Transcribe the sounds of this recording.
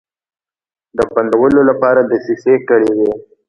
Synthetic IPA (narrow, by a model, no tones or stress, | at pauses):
d̪əpand̪awəlolapɑɾad̪əsisekəɽewe